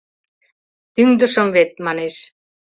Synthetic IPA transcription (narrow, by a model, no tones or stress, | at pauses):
t̪yŋd̪ə̆ʃə̆mβet̪̚mɑneʃ